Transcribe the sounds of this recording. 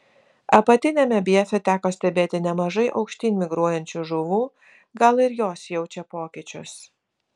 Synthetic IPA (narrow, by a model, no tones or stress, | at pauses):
ɐpɐt̪ʲɪnʲɛmʲɛbʲiɛfʲɛt̪ʲæːkoːsʲt̪ʲɛbʲeːt̪ʲɪnʲɛmɐʒɐɪʔɒ̰ʊkʃʲt̪ʲiːnʲmʲɪɡɾuɔjɛnʲt͡ʃʲuʒʊʋuː | ɡɐlˠɪɾjoːsjɛʊt͡ʃʲɛpoːkʲɪt͡ʃʲʊs